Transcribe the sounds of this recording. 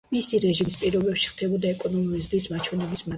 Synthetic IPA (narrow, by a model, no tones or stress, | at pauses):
misiɾɛʒimispʼiɾɔbɛpʃi̥χt̪ʰɛbɔd̪aɛkʼɔnɔmuɾizd̪ismat͡ʃʰwɛnɛbisma